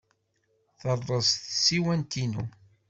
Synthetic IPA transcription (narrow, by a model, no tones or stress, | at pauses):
θərˤːəsθsiwænt̪inṵ